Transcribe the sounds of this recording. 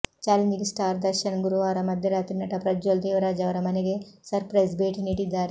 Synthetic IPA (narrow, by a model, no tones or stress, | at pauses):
t͡ʃaːlɐɲd͡ʒiɡisʈaːɾd̪ɐɾʃɐnɡuɾuʋaːɾɐmɐd̪ʱjɐɾaːt̪ɾinːɐʈɐpɾɐd͡ʒoːld̪eːʋɐɾaːd͡ʒɐʋɐɾɐmɐneɡesɐɾpɾɐjzbeːʈiniʈid̪ːaːɾe